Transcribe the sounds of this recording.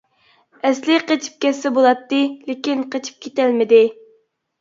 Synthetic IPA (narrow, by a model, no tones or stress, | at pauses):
ɛslɪqet͡ʃʰi̥p̚kʲɛsːɛbolˠɑt̪ːɨlekʲinqʰet͡ʃʰi̥p̚kʲʰet̪ælmɪd̪ɪ